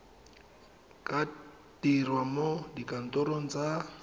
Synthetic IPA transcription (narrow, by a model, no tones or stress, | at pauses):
kʼa | tirwamodikʼan̩tʼɔɾon̩d͡za